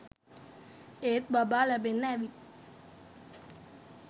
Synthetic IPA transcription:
et̪̚babalabenɛʋi

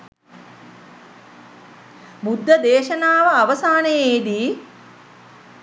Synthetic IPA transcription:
bud̪ʱːɐd̪eːʃɐnaːʋəaʋɐsaːnejeːd̪iː

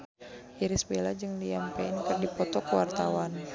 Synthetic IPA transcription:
iɾisbelad͡ʒɨŋliampɛɪnkɨrdipɔt̪ɔkəwa̰rt̪awan

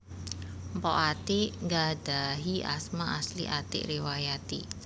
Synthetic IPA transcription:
mpɔʔat̪iʔŋɡadaɦia̰smaʔaslḭʔat̪ɪ̰ʔriwajat̪ḭ

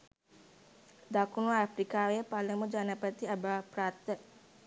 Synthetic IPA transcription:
d̪akunaːfɾikawɛpaləmud͡ʒanapət̪iabapɾat̪ə

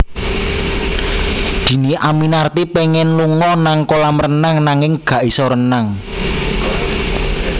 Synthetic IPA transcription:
d̪̥i̤niʔaminart̪ipeŋɛnluŋɔnaŋkolaməɾənaŋnaŋɪŋɡ̥ä̤ʔisɔɾənaŋ

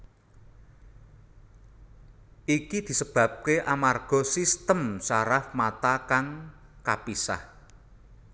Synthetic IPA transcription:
ʔikid̪̥i̤səb̥ä̤p̚keʔamarɡ̥ɔ̤sist̪əmsaɾafmat̪akaŋ | kapisa̰h

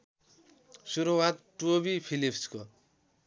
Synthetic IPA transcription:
suɾuwat̪ʈobipʰilipʰsko

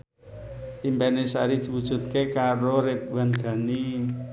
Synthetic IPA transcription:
ʔimbpɛnesa̰ɾid̪̥i̤wud̥ʒ̥ṳt̪̚kekaɾoɾet̪̚wanɡ̥a̤ni

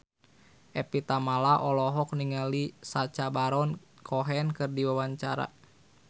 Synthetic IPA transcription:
ʔɛpit̪amalaʔɔlɔɦɔk̚niŋalisat͡ʃabaɾɔn | kʰɔɦɛnkɨrdiwawaɲt͡ʃaɾa̰

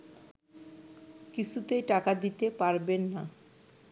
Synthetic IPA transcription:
kit͡ɕʰut̪ejʈakad̪it̪epaɾbenːa

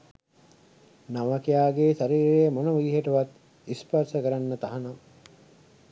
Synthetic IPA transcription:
naʋəkijaːɡeːsaɾiːɾejəmonəʋuɡ̪iɦeʈuʋat̪ | ispərsəkəɾanːət̪aɦana

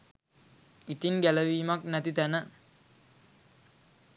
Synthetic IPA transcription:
it̪inɡæləʋiːmɐknæt̪it̪ænə

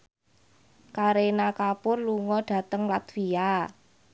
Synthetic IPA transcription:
kaɾenakapʊrluŋɔɖ̥ä̤t̪əŋlat̪wia

